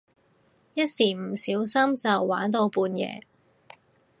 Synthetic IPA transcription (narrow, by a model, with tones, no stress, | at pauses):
jɐ˥t̚siː˨˩m̩˨˩siː˨˥wsɐ˥mt͡sɐ˨wːaː˨˥nt̪̬o˧wpuː˧njɛ̰ː˨˧